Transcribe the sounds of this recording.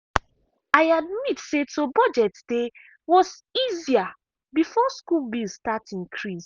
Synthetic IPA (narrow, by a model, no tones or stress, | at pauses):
aɪadmitsetobɔd͡ʒɛtsd̥e | wɔs | izia | bifɔskulbilstatĩnkʰɹis